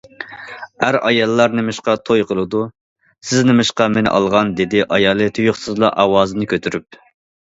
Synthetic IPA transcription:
hæɾɑjɑlˠːɑɾnɪmɪʃqɑt̪ʰojqʰəlˠɨd̪u | sɪznɪmɪʃqɑmenɪ̰ʔɑ̰lˠʁɑnd̪ed̪ɪʔɑjɑːlˠɨt̪ʰujoχsɨzlˠɑ̰ʔɑwɑːzɨnɨkʲøt̪ʰyɾyp̚

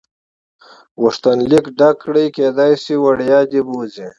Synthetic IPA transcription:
wuʂt̪ɐnlikɖɐkɽijkeːd̪ajsiwɐɽjaːd̪ibuːzẽ

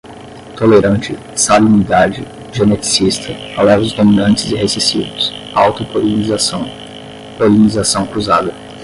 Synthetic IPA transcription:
t̪oleɾɐ̃nt͡ʃɪ | sabiunid̪ad͡ʒɪ | ʒenet͡ʃi̥sist̪ʰɐalɛvʊzd̪omĩnɐ̃nt͡ʃɪzɪɦesesḭvʊs | awt̪opoz | polinizasɐ̃w̃kɾuzad̪ɐ

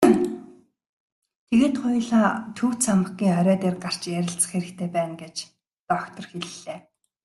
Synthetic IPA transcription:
t̪ʰeɣeːt̪χʊjɮaːt̪ʰuːwʰt̪t͡sʰamə̆ɡiːŋœɾʲœːt̪eːrɢar̥t͡ɕjæɾʲɪ̆ɬt͡sə̥̆χxeɾɘ̆k̚t̪ʰeːpæːnɡet͡ɕ | t̪ɔkt̪ʰɞ̆rxeɮːeː

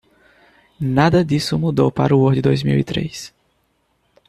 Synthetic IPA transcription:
nad̪ɐd̪isʊmud̪owpa̰ɾuoɾd̪ɪd̪ojzmḭwit̪ɾḛjs

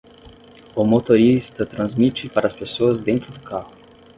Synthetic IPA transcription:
omot̪oɾist̪ɐt̪ɾɐ̃nzmit͡ʃɪpaɾɐspesoɐzd̪ẽnt̪ɾʊd̪ʊkahʊ

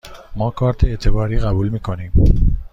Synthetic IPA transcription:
mɒːkʰɒːɾt̪ʰeet̪ʰe̞bɒːɾiːɣæbuːlmiːkʰo̞niːm

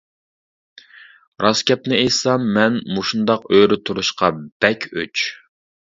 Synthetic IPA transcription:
ɾɑskʲɛp̚nɪejsɑmːɛnmuʃund̪ɑqøɾɪt̪ʰuɾuʃqɑb̥ɛkʲʰø̰t͡ʃ

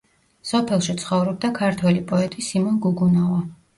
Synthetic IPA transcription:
sɔpʰɛlˠʃit̪sʰχɔvɾɔb̚d̪akʰaɾt̪ʰwɛlipʼɔɛt̪ʼisimɔnɡuɡunava

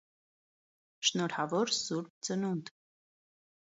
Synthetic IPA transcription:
ʃnɔɾhɑvɔɾsuɾp̚t͡sənund̪

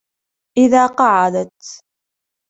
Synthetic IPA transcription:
ʔɪðaːqɑʕad̪at̪

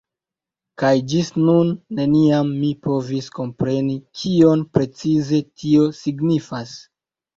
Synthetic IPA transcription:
kajd͡ʒisnunːe̞niamːipo̞visko̞mpɾe̞nikʰio̞npɾe̞t͡size̞tʰio̞siɡnifas

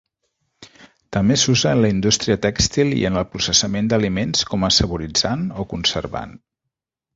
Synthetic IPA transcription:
t̪əmbesuzəːnləind̪ust̪ɾiət̪ɛkst̪ilˠḭənəlˠpɾusəsəmend̪əlimenskɔməsəβuɾid͡zanokunsəɾβa̰n

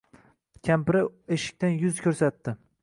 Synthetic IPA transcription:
kʲʰampɪɾɪeʃɪ̥k̚ʲt̪anjʊzkʲʰɵɾsat̪ːɪ

